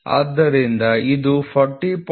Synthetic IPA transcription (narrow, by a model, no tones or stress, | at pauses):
a̰ːd̪ːɐɾind̪ɐid̪upʰɐɾʈːip